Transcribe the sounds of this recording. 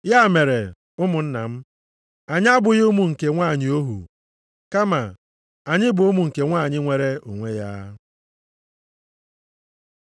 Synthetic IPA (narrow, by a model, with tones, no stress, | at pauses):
ja˦˨me˨ɾe˨ | ʊ˦mʊ˨n̩˦na̰˨m̩˦ | a˨ɲ˦a˦bʊ˨jʊ˦mu˨ŋ̩˨ke˨ŋʷa˦˨ɲɪ˨o˦ɦṵ˨ | ka˦ma˨ | a˨ɲɪ˦bo˦mu˨ŋ̩˨ke˨ŋʷa˦˨ɲɪ˦ŋʷe˦ɾe˦ṵ˨ŋʷe˦ja̰˦